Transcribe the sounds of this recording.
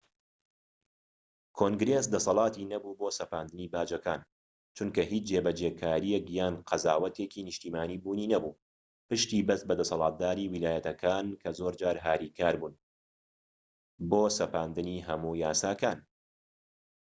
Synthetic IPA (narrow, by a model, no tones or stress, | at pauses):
kʰoːŋɡɾes̬d̪ɐsɑlˠɑːt̪inɐbuːboːsɐpaːnd̪ɨniːbaːd͡ʒɐkaːn | t͡ʃʰunkɐɦiːt͡ʃd͡ʒeːbɐd͡ʒekʰaːɾijɛkjaːnqʰɐzaːwɐt̪eːkiːnɨʃt̪iːmaːniːbuːniːnɐbuː | pɨʃt̪ibɐst̪̚bɐd̪ɐsɑlˠɑːt̪̚d̪aːɾiːwilaːjɐt̪ɐkʰaːnkʰɐzoːɾd͡ʒaːɾɦaːɾiːkʰaːɾbuːn | boːsɐpaːnd̪ɨniːɦɐmuːjaːsaːkaːn